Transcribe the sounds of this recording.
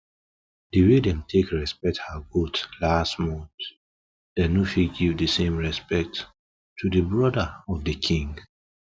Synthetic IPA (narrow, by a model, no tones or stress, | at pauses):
d̥iwidɛ̃mtʰekɹɛspɛk̚thaɡotlastmɔ̃nt | d̥ɛnufiɡivdəsẽmɹɛspɛk̚tːʰ | udəbɹɔdəɔvdɨkʰĩŋɡ